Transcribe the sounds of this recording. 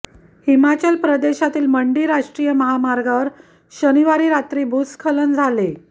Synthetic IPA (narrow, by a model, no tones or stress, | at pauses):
himat͡ɕəlpɾəd̪eɕat̪iːlməɳɖiːɾaʂʈɾijəməɦamaɾɡaʋəɾ | ɕəniʋaɾiːɾat̪ɾiːbʱut̪skʰələnd͡zʱale